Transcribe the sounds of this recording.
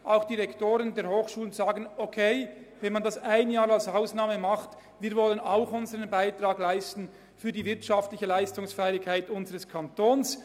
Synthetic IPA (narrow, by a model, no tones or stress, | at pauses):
ʔaʊxd̥iːʁɛktoːʁəndeːɐhoːxʃuːlənzaːɡən̩okʰeɪvɛnmandasaɪnjaːɾalsaʊsnaːməmaχt | viːɐvɔlənaʊxʊnzəʁənbaɪtʁ̥aːɡlaɪstn̩ | fyːdiːvɪɐtʃaftlɪçəlaɪstʊŋsfɛɪɪkhaɪtʊnzəʁəskʰantʰoːns